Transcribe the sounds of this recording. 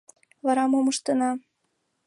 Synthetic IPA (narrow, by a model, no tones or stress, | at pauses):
βɑɾɑmomɤʃt̪ɤ̆nɑ